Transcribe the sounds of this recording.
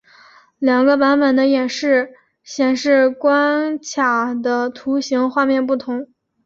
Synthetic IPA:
ljɑ˨˩ŋɡə˦pa˧˥npə˨˩nd̪ə˦jɛ˨˩nʂɻ̩˥˩ | ɕjɛ˨˩nʂɻ̩˥˧kwa˥nt͡ɕʰja˨˩d̪ə˦t̪ʰu˧˥ɕi˧˥ŋxwa˥˧mjɛ˥˧npu˥˩t̪ʰʊ˧˥ŋ

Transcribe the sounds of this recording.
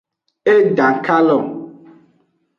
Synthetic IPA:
e˦da˨ka˦lɔ˨ŋ

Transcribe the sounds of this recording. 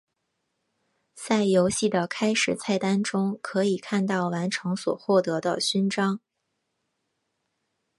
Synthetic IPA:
t͡sa˥˩ɪjo˧˥ʊɕi˥˩d̪ə˩kʰa˥ɪʂɻ̩˨˩t͡sʰa˥˩ɪt̪a˥nʈ͡ʂʊ˥ŋkʰɤ˧˥i˨˩kʰa˥˧nt̪ɑ˥˩ʊwa˧˥nʈ͡ʂʰɤ˧˥ŋswɔ̰˨˩xwɔ˥˩t̪ɤ˧˥d̪ə˧ɕy˥nʈ͡ʂɑ˥ŋ

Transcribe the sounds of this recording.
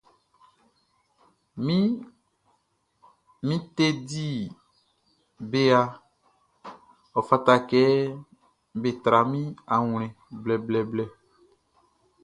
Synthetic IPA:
mi˦ | mĩ˦t̪e˦di˦˨ | be˨a˨ | ɔ˨fa˨t̪a˨kɛ˨˦ | be˨t̪ɾa˨mĩ˦a˨ŋ˨l̃ɛ̃˨ | blɛ˨blɛ˨blɛ˦

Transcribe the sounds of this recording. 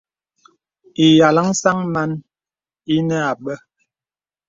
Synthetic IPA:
i˨ja˨la˦ŋ˦sa˦ŋma˦n | i˦nɛ˦a˨ɓə˦

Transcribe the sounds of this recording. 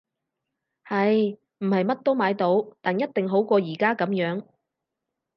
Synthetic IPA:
hɐ˨j | m̩˨˩hɐ˨jmɐ˥t̚t̪o˥wmaː˨˧jt̪o˨˥wt̪aː˨njɐ˥t̚t̪ɪ˨ŋɦo˨˥wkɔː˧jiː˨˩kaː˥kɐ˨˥mjœː˨˥ŋ

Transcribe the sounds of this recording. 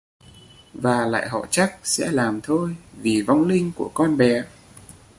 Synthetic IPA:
vaː˨˩la̰ː˧˨jɦɔ̰˧˨t͡ɕa˦˥k̚sɛ̰˧˥laː˨˩mt̪ʰo˧jvi˨˩vɔ˧wŋ͡mlï˧ŋ̟ku˧˩əkɔ˧nɓɛ˨˩

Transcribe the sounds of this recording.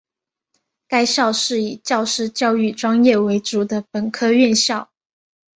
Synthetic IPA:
ka˥ɪɕjɑ˥˧ʊʂɻ̩˥˩i˨˩t͡ɕjɑ˥˧ʊʂɻ̩˥˧t͡ɕjɑ˥˧ʊy˥˩ʈ͡ʂwɑ˥ŋjɛ˥˩we˧˥ɪt͡su˨˩d̪ə˦pə˨˩nkʰɤ˥ɥɛ˥˧nɕjɑ˥˩ʊ

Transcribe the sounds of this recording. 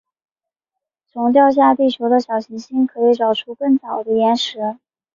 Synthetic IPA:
t͡sʰʊ˧˥ŋt̪̬jɑ˥˧ʊɕ̬ja˥˧t̪i˥˩ʂʰjo˧˥ʊd̪ə˧ɕjɑ˨˩ʊɕi˧˥ŋɕi˥nkʰɤ˧˥i˨˧˥ʈ͡ʂɑ˨˩ʊʈ͡ʂʰu˥kɤ˥˩ŋt͡sɑ˨˩ʊd̪ə˦jɛ˧˥nʂɻ̩˧˥

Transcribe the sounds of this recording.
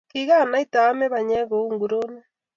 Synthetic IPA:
kiɣa˦˨na˨˦i˦taː˨˦mɛ˦βa˨ɲɛ˦ɣo˨u˦ŋɡu˨ɾo˦nɛ˦

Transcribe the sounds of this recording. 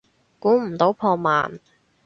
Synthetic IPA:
kuː˨˥m̩˨˩t̪o˨˥wpʰɔː˧ma̰ː˨n

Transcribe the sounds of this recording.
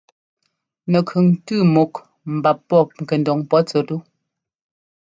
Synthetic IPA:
nɛ˨kʰʉ˨ŋtʉ˦˨mo˨k | m̩˨ba˨pːɔ˦˨ŋ̩˨ke˨ndɔ˨ŋpɔ˦t͡sə˨tu˦

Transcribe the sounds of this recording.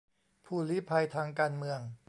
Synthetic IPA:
pʰuː˧˩liː˦˥pʰa˧jt̪ʰaː˧ŋkaː˧nmɯ˧əŋ

